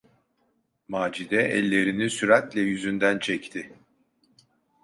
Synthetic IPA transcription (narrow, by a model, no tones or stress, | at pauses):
maːd͡ʒid̪ɛʔɛ̰lʲːe̞ɾinisyɾat̪lʲɛjyzynd̪ænt͡ʃʰɛct̪ʰɪ